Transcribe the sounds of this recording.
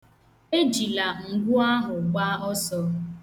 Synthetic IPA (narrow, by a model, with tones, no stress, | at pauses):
e˦d͡ʒi˨la˨ŋ̩˨ɡʷʊ˦a˦ɦʊ˨ɡ͡ba˦ɔ˦sɔ˦